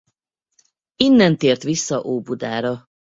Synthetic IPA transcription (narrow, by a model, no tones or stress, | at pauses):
inːɛnt̪eːrt̪ʋisːɒʔoːbud̪aːɾɒ